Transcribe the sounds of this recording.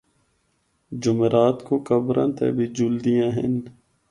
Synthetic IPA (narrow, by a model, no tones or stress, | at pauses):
d͡ʒʊmeɾaːt̪kokəbɾã̰nt̪ʰḛbʱid͡ʒuld̪ijãɦɪn